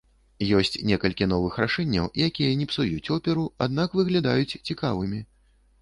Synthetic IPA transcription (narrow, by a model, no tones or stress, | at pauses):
jɔsʲt͡sʲnʲɛkɐlʲkʲinɔvɨxɾaʂɛnʲːɐwijakʲijɐnʲɛpsujut͡sʲɔpʲɛɾuad̪nakvɨɣlʲad̪ajut͡sʲt͡sʲikavɨmʲi